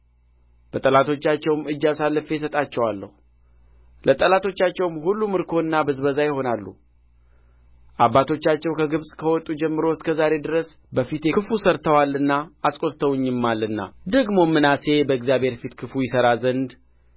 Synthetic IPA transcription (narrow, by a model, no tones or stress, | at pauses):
b̥ət̪ʼəlat̪ʰo̞t͡ʃːat͡ʃːɛwmɨd͡ʒːasalːɨfejɛsət̪ʼat͡ʃːɛwalːə̰hu | lət̪ʼəlat̪ʰo̞t͡ʃːat͡ʃːɛwmhulːumɨɾkʰo̞ɨnːabɨzβəzajɪho̞nalːṵ | ʔabːat̪ʰo̞t͡ʃːat͡ʃːɛwkʰəɡɨβsʼkʰəwɔt̪ʼːud͡ʒɛmːɨɾo̞ɪskʰəzaɾe̞d̪ɨɾəs | bəfit̪kɨfusəɾt̪ʰəwalːɨnːaasʼkʼo̞lt̪ʰəwɨɲːɪmːalːɨnːa̰d̪əɡmo̞mɨnase̞bəɛɡzjabhe̞ɾfit̪kʰɨfujɪsəɾazənd̪